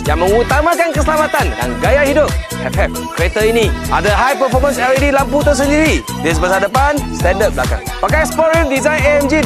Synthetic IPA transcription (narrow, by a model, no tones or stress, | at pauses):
jaŋmə̃ŋut̪amãkankəsəlamat̪anjã̰ŋɡajaʔhidʊp̚ | ɛfɛf̚ | kəɾet̪əinĩʔa̰dəɦajpəfɔmə̃ns̬ɛɾidilamput̪əs̬əndiɾi | des̬bəsadəpanst̪ɛ̃ndəp̚blakã̰ŋpakajspɔɾiəmdizãjneɛmd͡ʒi